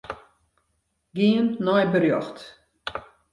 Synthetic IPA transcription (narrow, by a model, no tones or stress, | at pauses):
ɡiənːɔjbərjɔxt